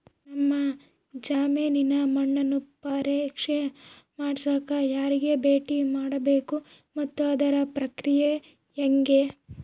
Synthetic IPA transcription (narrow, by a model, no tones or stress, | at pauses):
nɐmːɐ | d͡ʒaːmeːninɐmɐɳːɐnupːɐɾekʂe | maːɽsaːkajaːɾiɡe̞beːʈimaːɽɐbeːku | mɐt̪ːuɐd̪ɐɾɐpɾɐkɾije | jɐŋɡe